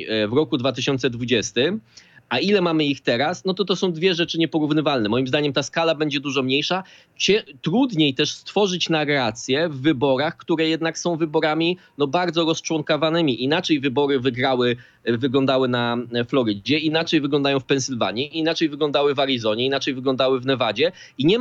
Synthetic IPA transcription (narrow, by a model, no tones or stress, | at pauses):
vɾɔkud̪vat̪ɘɕɔnt̪sɛd̪vud͡ʑɛst̪ɘmailɛmamɘixt̪ɛɾasnɔt̪ɔt̪ɔsɔ̃w̃d̪vʲjɛʐɛt͡ʂɘɲɛpɔɾuvnɘvalnɛmɔjimzd̪aɲɛmt̪askalabɛɲd͡ʑɛd̪uʐɔmɲejʂa | t͡ɕɛt̪ɾud̪ɲejt̪ɛʂst̪fɔʐɘt͡ɕnaɾat̪sʲjɛvːɘbɔɾaxkt̪uɾɛjɛd̪naksɔ̃w̃vɘbɔɾamʲinɔbaɾd̪zɔɾɔst͡ʂwɔŋkavanɘmʲiʔinat͡ʂɛjvɘbɔɾɘvɘɡɾawɘ | vɘɡlɔ̃nd̪awɘnaflɔɾɘd͡ʑɛinat͡ʂɛjvɘɡlɔnd̪ajɔ̃w̃fpɛnsɘlva̰ɲiiːnat͡ʂɛjvɘɡlɔ̃nd̪awɘvaɾizɔɲɛinat͡ʂɛjvɘɡlɔnd̪awɘvnɛvad͡ʑɛ | iɲɛ